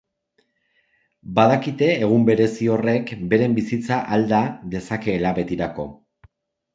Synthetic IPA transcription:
baðakit̪e̞ːɣ̞umbe̞ɾe̞sio̞re̞kbe̞ɾe̞mbisit͡saʔald̪aðe̞sake̞ːlaβe̞t̪iɾako̞̰

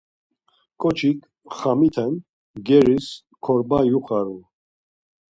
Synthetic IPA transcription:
kʼɔt͡ʃʰikʰ | χamit̪ʰɛn | ɡɛɾis | kʰɔɾbajuχʼaɾu

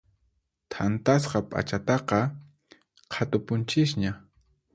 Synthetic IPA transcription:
t̪ʰant̪asqɑpʼa̰t͡ʃat̪ɑqɑ | qʰat̪ʊpʊnt͡ʃɪsɲa

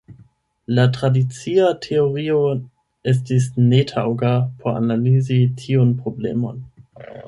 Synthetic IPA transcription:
latʁadit͡siatʰeoʁio | es̬tis̬netʰawɡapʰoɾa̰nalizitʰionpɾoblḛmo̞̰n

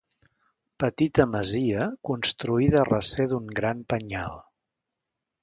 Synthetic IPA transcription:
pət̪it̪əməziəkunst̪ɾuiðərəseðuŋɡɾampəɲa̰lˠ

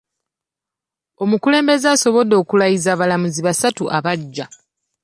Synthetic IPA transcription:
o̞mukule̞ːmbe̞zeaso̞βo̞do̞ːkulajizaːβalamuziβasatuʔaβaɟːa

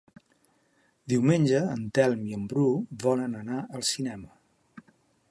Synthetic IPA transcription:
d̪iwmenʲd͡ʒəːnt̪ɛlˠmiəmbɾuβɔlənənaəlˠsinɛmə

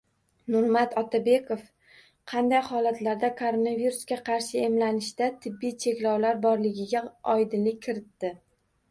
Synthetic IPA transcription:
nʊɾmat̪ɒt̪ʰabe̞kʰof | qʰɑnd̪ajhɒlat̪laɾd̪akʰoɾo̞naviɾusɡʲaqʰɑɾʃɪe̞mlanɪʃd̪at̪ʰɪbːijt͡ʃʰe̞kʲlɒwlaɾbɒɾlɪɡʲɪɡʲaɒjd̪ɪnlɪk̚ʲʰːɪɾɪt̪ːɪ

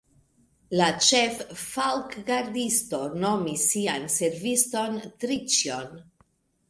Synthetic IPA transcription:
lat͡ʃefːalkɡaɾdisto̞no̞misːianse̞ɾvisto̞ntɾit͡ʃjon

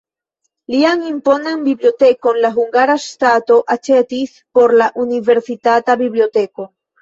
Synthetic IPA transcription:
liaŋimponembiblot̪ekonlaɦuŋɡaɾast̪at̪oʔat͡ʃet̪is | poɾlaʔuniveɾsit̪at̪aβiβliot̪eko

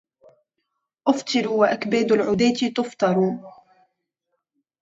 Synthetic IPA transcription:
ʔʊft̪ˤɨɾuwaʔakbaːd̪lʕʊd̪aːt̪it̪ʊft̪ɑɾˤu

